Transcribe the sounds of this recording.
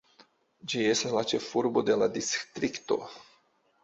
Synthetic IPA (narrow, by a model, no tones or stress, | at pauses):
d͡ʒie̞staslat͡ʃe̞fuɾbo̞d̪e̞lad̪ist̪ɾikt̪o̞̰